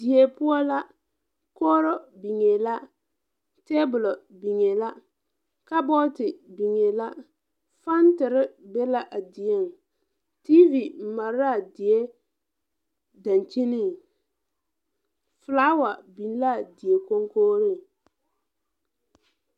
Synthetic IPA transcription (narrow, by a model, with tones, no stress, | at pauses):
di˨je˦pʊ˦ɔ˦la˦ | koː˦ɾɔ˦bi˨ŋe˨la˦ | te˦bʊ˨lɔ˨bi˨ŋe˨la˦ | ka˦bɔ˦tɪ˨bi˨ŋe˨la˦ | fa˦n˦tɪ˨ɾɪ˦be˦la˦ʔa˨dɪ˨e˦˨ŋ˨ | ti˦vi˨m̩˨ma˨ɾa˦˨dɪ˨e˦ | da˨nt͡ʃi˦ni˦˨ | fʊ˨laː˦wa˨bi˨n˦la˦˨di˨e˨ko˦ŋkoː˦ɾi˦˨